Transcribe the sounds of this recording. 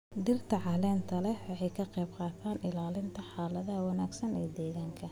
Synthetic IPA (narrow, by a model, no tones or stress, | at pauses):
d̪ɪrt̪ʰɐʕɑːlɛːnt̪ʰɐlɛwɑʕɛjkʰɐqɛjbqɑːt̪ʰaːnɪlaːlɪnt̪ʰɐħaːlɐðɐɦɐwɑnaːɡsɐnɛːd̪ɛːɣaːŋkʰɐ